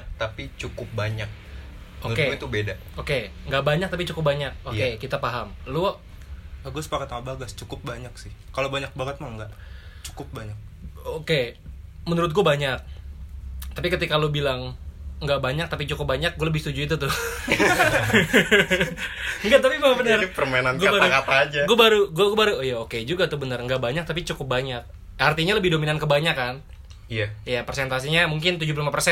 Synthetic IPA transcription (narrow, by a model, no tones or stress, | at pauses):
t̪apit͡ʃukʊp̚baɲak̚ | ouɾk̪eɡt̪ubeda | okeŋɡaʔbaɲakt̪apit͡ʃukʊp̚baɲak̚okekit̪apaɦamlu | aɡuasə̥pakat̪̚aaʔbaɡast͡ʃukʊp̚baɲaksɪhkalobaɲak̚baŋət̪̚maŋŋɡaʔt͡ʃu̥kʊp̚baɲak̚ | okemənuɾʊt̪̚ɡuabaɲak̚ | t̪apikət̪ikalobilaŋŋɡaʔbaɲak̚t̪apit͡ʃukʊp̚baɲak̚ɡualəbɪhst̪ud͡ʒuit̪̬ut̪ʊh | ŋɡat̪apimabənərpərmaenanɡuabaɾaukapaːd͡ʒaɡuabaɾuɡuaɡuabaɾujaoked͡ʒuɡat̪ʊbənərŋɡaʔbaɲak̚t̪apit͡ʃukʊp̚baɲak̚ | art̪iɲaləbɪhdominankəbaɲakan | ijajapərsɛnt̪as̬iɲamuŋkɪnt̪ud͡ʒuplimapərsɛ